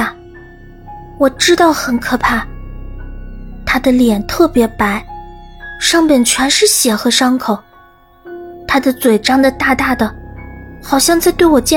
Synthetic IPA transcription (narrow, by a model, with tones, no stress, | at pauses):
wɔ˨˩ʈ͡ʂɻ̩˥t̪ɑ˥˩ʊxə˧˥nkʰɤ˨˩pʰa˥˩ | t̪ʰa˥d̪ə˨ljɛ˨˩nt̪ʰɤ˥˩pjɛ˧˥pa˧˥ɪ | ʂɑ˥˧ŋpjɛ˥˩nt͡ɕʰɥɛ˧˥nʂɻ̩˥˩ɕjɛ˨˩xɤ˧˥ʂɑ˥ŋkʰo˨˦ʊ | t̪ʰa˥d̪ə˨t͡swe˨˩ɪʈ͡ʂɑ˥ŋd̪ə˨t̪a˥˧t̪a˥˩d̪ə˩xɑ˨˩ʊɕjɑ˥˧ŋt͡sa˥ɪt̪we˥˩ɪwɔ˨˩t͡ɕjɛ˥˩